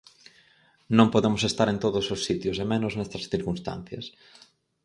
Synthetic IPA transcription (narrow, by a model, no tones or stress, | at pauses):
nõmpoðemʊsest̪aɾent̪oðʊsosːit̪jʊsemenʊznɛst̪ɾɐsθiɾkunst̪a̰n̟θjɐ̰s